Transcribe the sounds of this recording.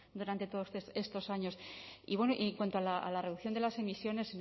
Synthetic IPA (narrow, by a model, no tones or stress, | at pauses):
d̪uɾant̪e̞t̪oðosesest̪o̞saɲo̞sḭβwe̞noʔieŋkwant̪oalaa̰lare̞ðukθjo̞nd̪elase̞misjo̞ne̞sen